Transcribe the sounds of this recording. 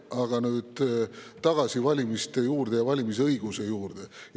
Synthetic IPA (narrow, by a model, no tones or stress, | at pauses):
ɑɡ̥ɑnyːd̪̥t̪ɑɡ̥ɑsivɑlʲimist̪e̞juːrd̪̥e̞jɑvɑlʲimis̬ɤjɡ̥use̞juːrd̪̥e̞